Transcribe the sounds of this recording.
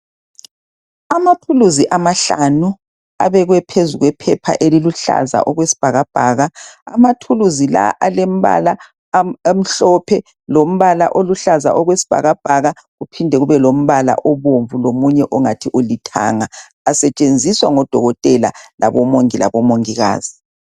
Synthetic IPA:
amatʰuluziʔamaɬa̰nu | a̰βɛɣwɛpʰezuɣwɛpʰɛpʰa̰ʔeliluɬa̰za̰ʔɔɣwesi̥b̥ʱaɣab̥ʱaːɣaa̰matʰuluzila̰ʔalem̩βa̰la | m̩ɬɔpʰɛ | lom̩βala̰ʔoluɬaza̰ʔɔɣwesi̥b̥ʱa̰ɣab̥ʱaɣa | ɣupʰindʱɛɣuβɛlom̩βala̰ʔɔβoɱvulomuɲɛʔɔŋatʰiʔolitʰa̰ŋaː | sɛt͡ʃʼend͡zʱiswaŋɔd̥ʱɔɣɔtʼɛla̰la̰βɔmoŋila̰βɔmoŋiɣa̰ːz̥i

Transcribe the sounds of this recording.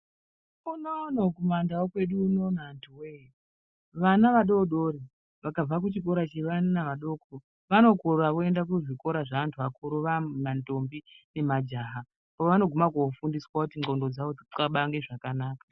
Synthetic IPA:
unonokumandawokwe̞ɗuːno̞ːnaːntʰuwe | ʋanaʋaɗoɗoɾi | ʋakab͡vak̬ut͡ʃik̬o̞ɾat͡ʃeʋannaʋaɗo̞kʰo | ʋano̞koɾaʋoe̞ndak̬uʐiko̞ɾaʐaantʰuʋakuɾoʋamantombine̞mad͡ʒaɦa | poʋano̞ɡʱo̞makofundiswakutiŋ͡ǃo̞ndo̞d͡zaoiaɓaŋɡe̞ʐakanaːkḁ

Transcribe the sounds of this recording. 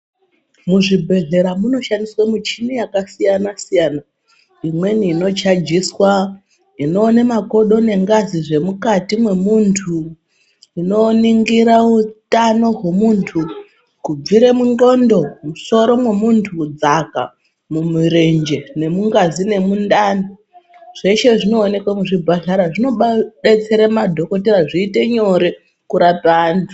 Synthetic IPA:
muʐibʱe̞ɮe̞ɾamuno̞ʃandiswamut͡ʃinijakasijanasijana | imwe̞niːno̞t͡ʃad͡ʒiswa | ino̞ːnemako̞ɗo̞ne̞ŋɡaziʐe̞mukatimwe̞muntʰu | ino̞niŋɡiɾautano̞ɦwe̞muːntʰu | kub͡viɾemuŋo̞ndo̞muso̞ɾo̞mwe̞muntʰud͡zaka̰ | mumuɾend͡ʒe̞ne̞muŋɡazine̞mundano | ʐ̥e̞ʃe̞ʐino̞ːne̞kwamuʐibʱaɮaɾaʐino̞ɓaɓet͡se̞ɾamadʱo̞ko̞teɾaʐiːte̞ɲo̞ɾe | kuɾapantʰu̥

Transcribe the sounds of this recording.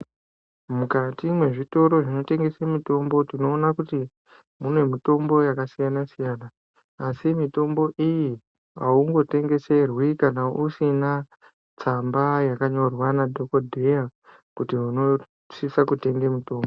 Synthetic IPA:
mukatimwe̞ʐito̞ɾo̞ʐino̞te̞ŋɡe̞semito̞mbo̞tino̞ːnakuti | munwe̞mito̞mbo̞jakasijanasijaːnaː | simito̞mbo̞ʔiji | auŋɡo̞te̞ŋɡe̞se̞rwikanausina | t͡sambajakaɲo̞rwanadʱokodʱe̞ja | kutiɦuno̞ | ʂisakute̞ŋɡemuto̞ːmbo

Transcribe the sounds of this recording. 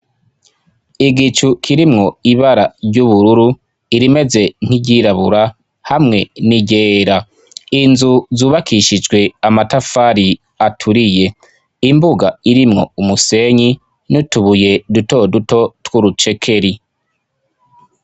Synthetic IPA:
iɡit͡ʃukʰiɾimŋo̞iβaɾaɾɟuβuɾuɾu | iɾime̞ze̞ŋ̥hiɟiɾaβuɾa | hamŋe̞niɟeːɾa | inzuzuːβakʰiʃid͡ʒɡwe̞amatafaɾi | atʰuɾije̞ | imbuɡa̰iɾimŋo̞̰umuse̞ɲi | nutuβuje̞duto̞duto̞twuɾut͡ʃe̞kʰe̞ɾi

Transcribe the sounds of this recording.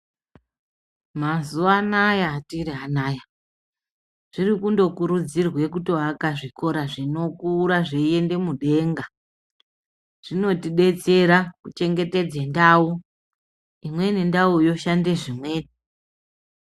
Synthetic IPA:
mazuanajaːtiriɦanaːja | ʐ̥irikundo̞kuɾud͡zirwe̞kutoɦakaʐiko̞ɾaʐino̞kuːɾaʐeie̞nde̞muɗe̞ːŋɡa | ʐ̥ino̞tiɗe̞t͡se̞ɾakut͡ʃe̞ŋɡe̞te̞d͡zendaːu | imwe̞nindaujo̞ʃande̞ʐimwe̞ːni

